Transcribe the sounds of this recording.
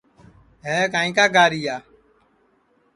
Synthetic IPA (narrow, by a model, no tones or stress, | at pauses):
ɦɛːkaːĩːkaːɡaːɾiːjaː